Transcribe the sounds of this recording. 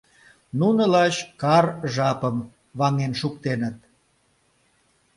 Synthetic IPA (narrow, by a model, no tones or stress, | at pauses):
nunəlɑt͡ɕkɑrʒɑpəm | βɑŋenʃukt̪enət̪̚